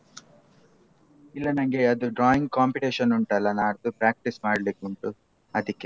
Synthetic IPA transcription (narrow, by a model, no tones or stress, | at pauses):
ilːɐnɐŋɡeɐd̪uɖɾaːiŋɡ̚kaːmpiʈeːʃɐnuɳʈɐlːɐnaːɾt̪upɾaːk̚ʈismaːɽlikuɳʈu | ɐd̪ikːe̞